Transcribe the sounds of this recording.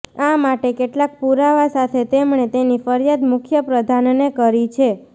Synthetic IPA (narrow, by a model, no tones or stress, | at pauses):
amaʈekeʈlak̚puɾaʋasat̪ʰet̪emɳet̪enifəɾjad̪mʊkʰjəpɾəd̪ʱannekəɾit͡ʃʰe